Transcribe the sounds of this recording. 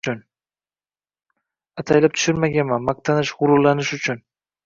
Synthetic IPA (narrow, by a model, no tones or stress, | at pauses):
ʊn | at̪ʰajlɪp̚t̪ʰʊ̥ʃʊɾmaɡʲanmanmaq̚t̪ʰanɪʃʁʊɾʊlːanɪʃʊt͡ʃʰʊn